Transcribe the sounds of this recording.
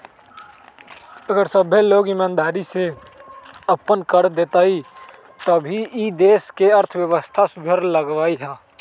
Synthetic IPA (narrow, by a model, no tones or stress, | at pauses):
əɡəɾsəbʱeloːɡɪmaːnd̪aːɾise | əpənkəɾd̪et̪ai | t̪əbʱiid̪eːskeəɾt̪ʰwjəʋəst̪ʰasbʱəɾləɡʋaːiɦaː